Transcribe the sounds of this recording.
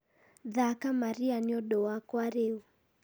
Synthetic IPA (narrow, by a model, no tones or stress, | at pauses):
ðakamaɾianiɔɗɔwakwaɾeu